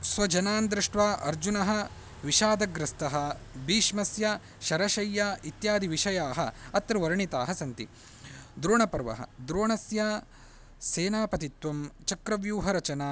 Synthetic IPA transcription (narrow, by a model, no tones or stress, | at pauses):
sʋɐd͡ʒɐnaːnd̪ɾiʂʈʋaːʔɐɾd͡ʒunɐɦɐ̆ | ʋiʃaːd̪ɐɡɾɐst̪ɐɦɐbiːʃmɐsjɐ | ʃɐɾɐʃɐjːaːit̪jaːd̪iʋiʃɐjaːɦɐɐt̪ɾuʋɐɾɐɳit̪aːɦɐsɐnt̪ḭ | d̪ɾoːɳɐpɐɾʋɐ̰ɦɐ̰d̪ɾoːɳɐsja | seːnaːpɐt̪it̪ʋɐmt͡ʃɐkɾɐʋjuːɦɐɾɐt͡ʃɐnaː